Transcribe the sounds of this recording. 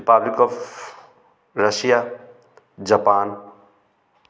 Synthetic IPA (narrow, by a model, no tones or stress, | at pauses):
ɾipablikɔp | ɾəsija | d͡ʒapaːn